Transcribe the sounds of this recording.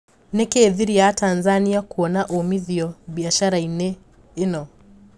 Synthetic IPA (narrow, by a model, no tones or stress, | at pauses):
nɛkɛːðiɾijatanzaniakuɔnaʔumiðiɔɓiaʃaɾainɛ | ɛnɔ